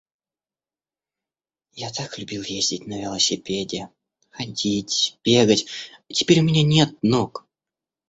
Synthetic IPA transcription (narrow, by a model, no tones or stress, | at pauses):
jat̪aklʲʊbʲilˠjezʲdʲɪt̚ʲnəvʲɪlˠəsʲɪpʲedʲɪ | xɐdʲitʲb̥ʲe̞ɡətʲtʲɪ̥pʲeɾʲʊmʲɪnʲanʲe̞t̪̚nok